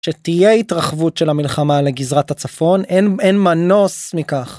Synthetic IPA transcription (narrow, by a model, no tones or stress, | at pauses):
ʃetijeitʁaχvutʃelamilχamaleɡizʁatat͡safo̞nenenmano̞smikaχ